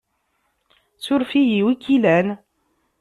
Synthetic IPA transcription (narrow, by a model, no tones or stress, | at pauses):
sʊɾfijiwikilæn